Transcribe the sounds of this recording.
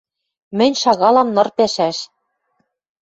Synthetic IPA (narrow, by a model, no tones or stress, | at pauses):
mɘ̆nʲʃɑɣɑlɑmnɤ̆rpæʃæʃ